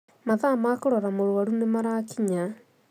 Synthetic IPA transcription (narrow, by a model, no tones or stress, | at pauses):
maðamakoɾɔɾamoɾoaɾunemaɾakiɲa